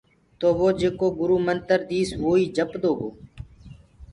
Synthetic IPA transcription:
t̪oːʋoːd͡ʒeːkoːɡʊɾuːmənt̪əɾd̪iːsʋoːiːd͡ʒəpd̪oːɡoː

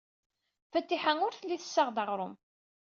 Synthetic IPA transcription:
fət̪ːiħaŋʊɾθəlːiθə̥sːəʁd̪əʁɾˤʊm

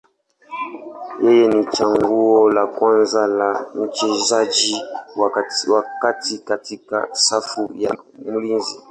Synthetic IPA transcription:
jejenit͡ʃaŋɡuwɔlakwanzalan̩t͡ʃezad͡ʒiwawakatikatika̰safujamulinzi

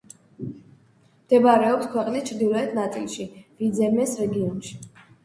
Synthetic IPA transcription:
md̪̥ɛbaɾɛɔpskʰwɛqʼnist͡ʃʰɾd̪ilˠɔɛt̪ʰnat̪sʼḭlˠʃivid̪zɛmɛsɾɛɡiɔnʃi̥

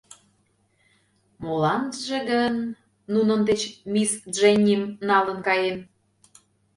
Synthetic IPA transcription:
molɑnʒĕɣənː | unənd̪et͡ɕmʲisʒenʲːimnɑlə̆nkɑjem

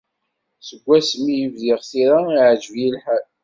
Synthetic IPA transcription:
səɡʷːæsmijəvðɪʁθiɾaiʕd͡ʒvjilħæl

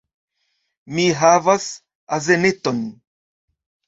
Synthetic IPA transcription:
miɦavas | azeneton

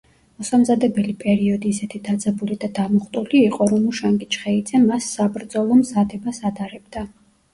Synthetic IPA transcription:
mɔsamzad̪ɛbɛlipʼɛɾiɔd̪iːsɛt̪ʰid̪ad̪zʼɛbulid̪ad̪amɔχt̪ʼuliːqʼɔɾɔmuʃaŋɡit͡ʃʰχɛid̪zɛmasːabɾd̪zɔlˠɔmzad̪ɛbasad̪aɾɛbd̪a

